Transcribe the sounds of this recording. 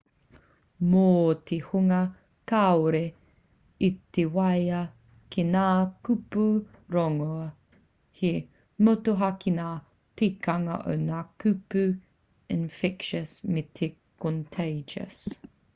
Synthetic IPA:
moːtʰehuŋɐ | kaoɾe | it̪ewɐjɐ | kʰenaːkupu | ɾoŋo | he | motoɦɐkinaː | tekɐŋɐ̰ʔo̰wnaːkʉpʉ | ɪnfɛkʃəsmetʰekʰontʰejd͡ʒɐ̰s

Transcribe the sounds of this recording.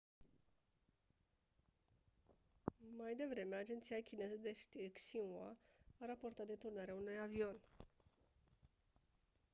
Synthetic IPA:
majd̪e̞vɾe̞me̞ad͡ʒe̞nt̪sijakʲine̞zəd̪eʃt̪irksinwaaɾapo̞rt̪at̪̚d̪e̞t̪urnaɾeaunujavio̞n

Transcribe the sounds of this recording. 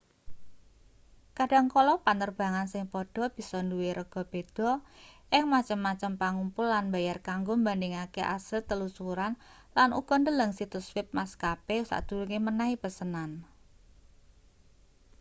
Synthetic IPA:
kaɖa̤ŋkolɔpanərb̥a̤ŋansɪŋpɔɖ̥ɔ̤b̥i̤sɔnduweɾʔəɡ̥ɔ̤b̥e̤d̥ɔ̤ʔɪŋmat͡ʃəmːat͡ʃəmpaŋumpʊlːanbajarkaŋɡombandɪŋakeʔa̰səlt̪əlusuɾan | lanʔṵɡ̥ɔ̤ndələŋsit̪ʊswɪp̚maskapeusa̰ʔd̪̥ṳluŋemənaipəsənan

